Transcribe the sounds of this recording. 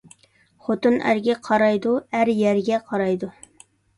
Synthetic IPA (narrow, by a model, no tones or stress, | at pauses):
χot̪ɨnʔæ̰ɾɡʲɛqʰɑɾɑjd̪uæɾjɛɾɡʲɛqʰɑɾɑjd̪u